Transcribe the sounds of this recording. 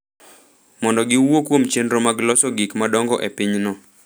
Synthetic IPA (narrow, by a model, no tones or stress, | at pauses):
mɔndɔɡɪwokwomt͡ʃenɾomaɡlɔsɔɡikmadɔŋɡɔʔepɪɲnɔ